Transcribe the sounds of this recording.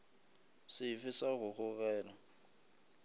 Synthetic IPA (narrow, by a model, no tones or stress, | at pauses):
sɪfɪsaɣʊɣʊɣɛːla